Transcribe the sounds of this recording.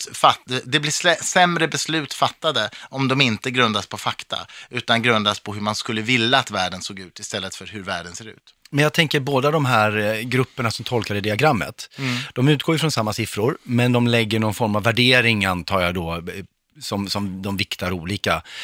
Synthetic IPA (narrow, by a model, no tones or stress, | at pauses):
fad̪ɛblɪɛsɛmɾəbɛslʉ̟ːt̪fat̪ːad̪əʔɔmd̪ɔmɪnt̪əɡɾɵnd̪aspʰɔfakt̪ʰa̰ʉ̟ːt̪anɡɾɵnd̪aspʰɔɦɵɾmanskɵlːəvɪlːaːt̪væːɖənsoːɡʉ̟ːt̪ɪst̪ɛlːət̪fœɾɦɵɾvæːɖənseːɾʉ̟̰ːt̪ | mɛnjɑɡ̚t̪ʰɛŋkəɾboːd̪ad̪ɔmɦæːɾɡɾɵpːəɳasɔmt̪ʰɔlkad̪əd̪ɪaɡɾamːə̰t̪d̪̥ɔmʉ̟ːt̪̚ɡoːjɪfɾɔnsamːasɪfɾʊɾmɛnd̪ɔmlɛɡːəɳɔnfɔɾmavːæɖeːɾɪŋant̪ʰɑːjad̪ɔ | sɔmsɔmd̪ɔmvɪkt̪aɾuːliːka